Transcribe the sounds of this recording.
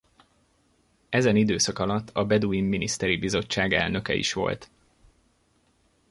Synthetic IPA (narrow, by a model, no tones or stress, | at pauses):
ɛzɛnid̪øːsɒkɒlɒt̪ʰːɒbɛd̪uimːinist̪ɛɾibizo̞t͡ʃːaːɡɛ̰lnø̞kɛ̰ḭʃʋo̞̰lt̪